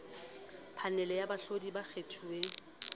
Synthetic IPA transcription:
pʰanɛlɛjabaɬodibak͡xʰetʰue

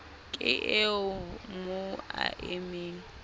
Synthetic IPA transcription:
kʼɪʔeʊmʊa̰ʔemeːŋ̩

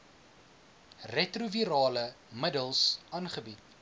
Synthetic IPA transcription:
rɛtruviɾɑːlə | mədəlˠsɑːnχəbit̚

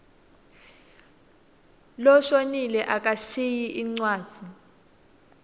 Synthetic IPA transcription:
lɔʃonilɛʔakʼaʃijiʔiŋ͡ǀwaːd̥d͡z̥ʱi

